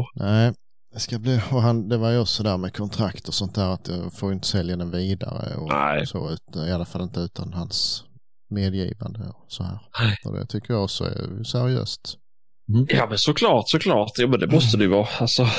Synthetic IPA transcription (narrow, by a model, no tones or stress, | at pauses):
nʔæɪ | d̪ɛskabliːɔɦand̪ɛvaɾjɔsɔd̪æːɾmɛkʰɔnt̪ʰɾakt̪ɔsɔnt̪̚d̪æːɾat̪jɑfoːɾjʏnt̪ə̥sɛljad̪ɛnviːd̪a̰ɾə̰ɔsɔ̰ʉ̟ːt̪ɪalːafalːɪnt̪əʉ̟ːt̪ʰanhans | meːd̪jḭːva̰nd̪əɔsɔhæ̰ːɾɔ̰d̪ɛ̰t̪ʰʏkːəɾjɑɔksɔɛ̰sæɾɪø̰ːst̪ | jɑːmɛnsɔkʰlɑːʈsɔkʰlɑːʈ̪jɑːmɛnd̪ɛmɔst̪əd̪ɛjvɑːalsɔ